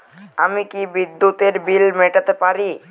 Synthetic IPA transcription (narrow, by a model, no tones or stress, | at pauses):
amikibid̪ːut̪eɾbilmeʈət̪epaɾi